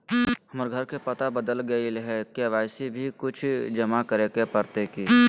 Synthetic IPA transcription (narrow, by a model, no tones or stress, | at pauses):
ɦɐməɾɡʱɐɾkepɐt̪abəd̪əlɡɐilɦɛkeʋaːɪsibʱikʊt͡ʃʰd͡ʒɐmakəɾekepɐɾt̪ekiː